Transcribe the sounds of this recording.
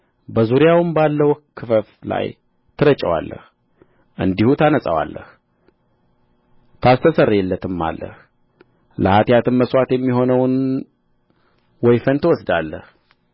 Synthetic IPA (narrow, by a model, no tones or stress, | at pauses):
bəzuɾijawɨmbalːəwkʰɨfəfla̰j | t̪ʰɨɾət͡ʃʼːəwa̰lːə̰h | ʔɨnd̪ihut̪ʰanəsʼəwa̰lːə̰h | t̪ʰast̪ʰəsərːɛlːət̪ʰɨmːa̰lːə̰h | ləhat̪jat̪ɨnməsʼwat̪jɛmːiɦo̞nəwɨn | wɔjfənt̪ʰɨwɔsd̪alːə̰h